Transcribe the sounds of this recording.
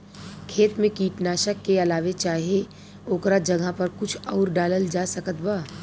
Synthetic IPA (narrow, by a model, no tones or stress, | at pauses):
kʰeːt̪mẽkiːʈnaːʃəkːeɐlaːʋet͡ʃaːɦie | oːkɾad͡ʒɐɡapɐɾkʊt͡ʃʰɔːɾɖaːləld͡ʒaːsɐkət̪baː